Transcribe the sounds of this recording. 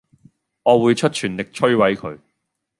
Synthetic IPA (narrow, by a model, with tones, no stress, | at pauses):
ŋɔː˨˧wuː˨˧jt͡ʃʰɵ˥t̚t͡ʃʰyː˨˩nlɪ˨k̚t͡ʃʰɵ˥ɥwɐ˨˥jkʰɵ˨˧ɥ